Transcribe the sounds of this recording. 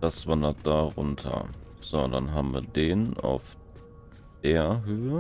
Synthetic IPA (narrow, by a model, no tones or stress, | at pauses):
d̥asv̥andɐt̚d̥aːʁʊ̰ntʰɐ̰z̥oːda̰nɦaːbm̩viːɐdeːna̰ʊf | d̥eːɐɦøːə